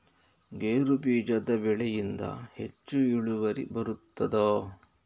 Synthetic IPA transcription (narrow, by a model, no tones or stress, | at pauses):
ɡeːɾubiːd͡ʒɐd̪ɐbɛɭɛjind̪ɐ̰he̞t͡ʃːuiɭuʋɐɾḭbɐɾut̪ːɐd̪oː